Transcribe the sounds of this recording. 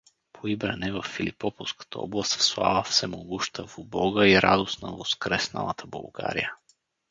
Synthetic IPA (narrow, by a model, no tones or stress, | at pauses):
pʰoibɾɐ̰nɛvɐfːilipɔpofskə̥t̪ʰəɔ̰blˠɐst̪slˠa̰vəfsɛmoɡuʃt̪ʰəvubɔɡəiɾad̪osnəvoskɾɛsnə̰lˠət̪ʰəbɐ̰lˠɡa̰ɾḭjə